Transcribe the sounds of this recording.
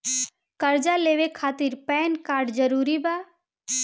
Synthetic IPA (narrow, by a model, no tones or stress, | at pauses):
kɐɾd͡ʒaleːʋekʰaːt̪iɾpɛːnkaːɾɖd͡ʒəɾuːɾibaː